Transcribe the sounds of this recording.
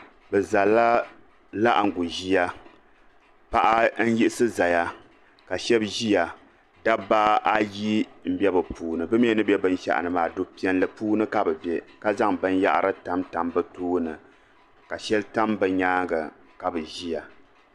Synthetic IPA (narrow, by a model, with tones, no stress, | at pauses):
bɛ˨za˨lːa˦ | la˦ʔa˨ŋ˨ɡu˨ʒi˦ja˦ | pa˦ʔa˦n̩˦ji˦ʔɪ˦sɨ˦za˨ja˦ | ka˨ʃɛ˦bʒi˦ja˨ | da˦baː˦ʔa˦ji˦m̩˦bɛ˦bɨ˨puː˦nɨ˨bɨ˦mi˦ɛ˦nɨ˦bɛ˦bɨ˦n˦ʃa̰˦ʔa̰˨nɨ˨maː˨do˦pi˦ɛ˦nlɨ˨puː˦nɨ˦ka˦bɨ˨bɛ˦ka˦za˦ŋbɨ˦n˦ja̰˦ʔɾɨ˦ta˦mta˨mbɨ˦tuː˦nɨ˨ | ka˨ʃɛ˦lta˦mbɨ˨ɲaː˦ɡa˨ | ka˨bɨ˨ʒi˦ja˨